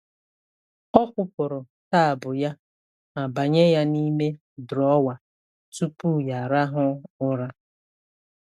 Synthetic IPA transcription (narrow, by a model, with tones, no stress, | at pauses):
ɔ˦kʷʊ˦pʊ˨ɾʊ˨ | ta˦a˨bʊ˨ja˦ | ma˨ba˨ɲe˦ja˦ni˦me˦ | dɾɔ˨˦wa˨ | tu˦pu˦˨ja˨ɾa˦ɦʊ˦ʊ˦ɾa˦